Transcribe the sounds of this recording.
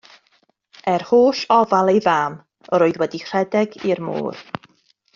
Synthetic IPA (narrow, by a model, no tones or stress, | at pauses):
ɛrhoːʃɔvalˠejvaːm | əɾoːɨðwɛdiχr̥ɛdɛɡirmo̰ːr